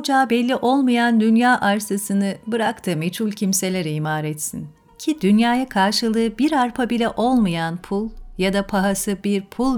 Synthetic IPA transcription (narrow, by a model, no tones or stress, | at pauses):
d͡ʒaːbɛlʲːiʔo̞lˠmajand̪ynjaːʔaɾsasɯnɯbɯɾakt̪ʰɯmet͡ʃʰulʲcʰimse̞lʲeɾɛimaːɾɛt̪sin | cʰid̪ynjaːjakʰaɾʃɯlˠɯːbiɾaɾpʰabilʲɛʔo̞lˠmajanpʰulˠjad̪apʰaɦasɯbiɾpʰulˠ